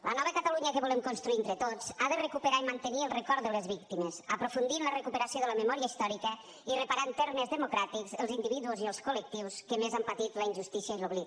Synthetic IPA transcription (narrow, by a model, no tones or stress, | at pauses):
lʔənɔβ̞əkat̪aluɲəkəβolemkonst̪ɾuient̪ɾət̪ot͡saðərəkupəɾaimant̪əniəlˠrəkɔɾd̪ələzβik̚t̪iməzəpɾofund̪inlərəkupəɾasioðələməmɔɾiəist̪ɔɾikə | irəpaɾant̪eɾrməzðəmukɾat̪ikzəlˠzind̪iβiðuoziəlˠskolək̚t̪iwskəmezampat̪it̪ləinʲʒust̪isiəiloβli